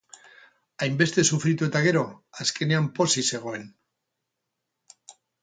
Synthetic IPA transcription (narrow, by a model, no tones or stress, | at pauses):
ajmbe̞st̪e̞sufɾit̪ue̞t̪aɣ̞e̞ɾo̞aske̞ne̞ampo̞sise̞ɣ̞o̞e̞n